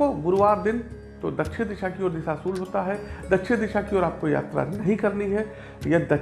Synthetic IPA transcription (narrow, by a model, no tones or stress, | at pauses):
oɡʊɾʋaːɾd̪ɪn | t̪od̪ɐtːʃʰed̪ɪʃakiɔːɾd̪ɪʃasuːlɦoːt̪aɦɛd̪ɐtːʃʰed̪ɪʃakiɔːɾaːp̚koja̰ːt̪ɾa̰nɐɦĩkɐɾniɦɛ | jɐd̪ɐ